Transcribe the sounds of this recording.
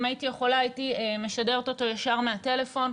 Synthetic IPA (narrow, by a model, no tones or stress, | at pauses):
maitijeχo̞laːitieme̞ʃade̞ʁet̪o̞to̞jaʃaʁmeate̞le̞fo̞n